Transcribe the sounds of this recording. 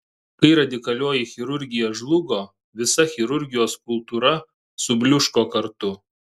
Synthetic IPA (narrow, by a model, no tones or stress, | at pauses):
kɐɪɾɐd̪ʲɪkɐlʲoːjɪxʲɪɾʊɾʲɡʲɪjoːʒlˠʊɡoː | ʋʲɪsɐxʲɪɾʊɾʲɡʲɪjoːsk̚ʊlˠt̪uːɾɐ | sʊbʲlʲʊʃkoːkɐɾt̪ʊ